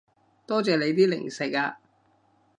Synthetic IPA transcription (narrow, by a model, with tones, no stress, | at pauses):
t̪ɔː˥t͡sɛː˨le˨˧jt̪iː˥lɪ̰˨˩ŋsɪ˨˩k̚aː˧